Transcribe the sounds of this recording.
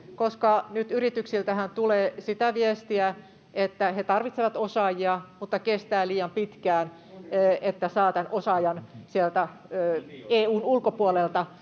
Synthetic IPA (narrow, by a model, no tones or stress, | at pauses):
koskɑnyt̪yrit̪yksilt̪æhænt̪uleːsit̪æʋiest̪iæ | ʔet̪ːæhet̪ɑrʋit̪seʋɑt̪osɑjiɑmut̪ːɑkest̪æːliːjɑmpit̪kæːnː | ʔet̪ːæsɑːt̪ænʔosɑjɑnsielt̪æøːeːuːnulkopuolelt̪ɑ